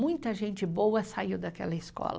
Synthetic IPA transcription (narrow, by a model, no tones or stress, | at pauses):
mũj̃t̪ɐʒẽnt͡ʃɪbowɐsaiwd̪ɐkɛ̰lɐɪskɔ̰lɐ̰